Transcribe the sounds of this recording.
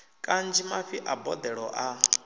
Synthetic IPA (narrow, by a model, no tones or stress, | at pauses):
kʼand͡ʒimaɸiʔabɔd̪ɛɺɔʔa